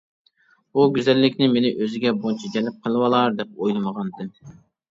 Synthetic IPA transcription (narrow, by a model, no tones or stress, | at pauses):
buɡʲyzɛlːɪkʲnɪmenɪʔøzɪɡʲɛbont͡ʃʰɑd͡ʒɛlɪp̚qʰəlˠɨwɑlˠɑɾd̪ɛp̚ojlˠɨməʁɑnd̪ɪm